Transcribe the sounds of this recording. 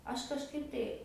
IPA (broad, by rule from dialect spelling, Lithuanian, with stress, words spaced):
ˈɐʃ kɐʃˈkɐɪp tɐɪ